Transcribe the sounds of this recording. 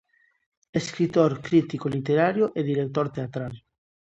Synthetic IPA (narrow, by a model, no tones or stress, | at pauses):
eskɾit̪oɾkɾit̪ikolit̪eɾaɾjoʔeðiɾek̚t̪oɾt̪eat̪ɾal